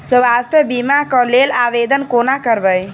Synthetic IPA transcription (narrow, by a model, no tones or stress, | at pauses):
səʋast̪ʰəbimakəlelaʋed̪ənkonakəɾbəj